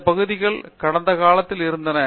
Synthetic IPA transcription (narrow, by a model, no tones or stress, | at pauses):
pɐɣɐðiɣɐɭkɐɽɐnd̪ɐkaːɭɐt̪ːiliɾund̪ɐnɐ